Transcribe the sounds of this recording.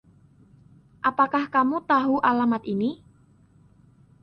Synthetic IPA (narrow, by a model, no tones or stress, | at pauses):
ʔapakahkamut̪aɦuʔalamat̪ini